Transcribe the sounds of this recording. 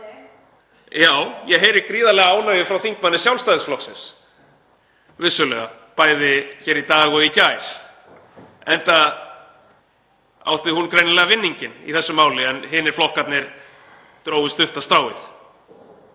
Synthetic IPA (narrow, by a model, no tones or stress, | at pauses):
jaːwjɛɦejɾɪkɾiːðalɛːɣaaːwnajɪfɾawθiŋk̚manːɪsjawlst̪ajðɪsflɔksɪns | vɪsːʏlœɣa | paːjðɪçɛːɾit̪aːɣʏðicajɾ̥ | ɛnt̪a | a̰wht̪ɪhunkɾejnalɛːɣavɪnːiɲcɪnḭθɛsːʏmaːwlɪɛnɦɪnːɪɾ̥flɔhkat̪nɪɾ̥ | t̪ɾoːwvɪst̪ʏht̪ast̪ɾaːwɪ̰θ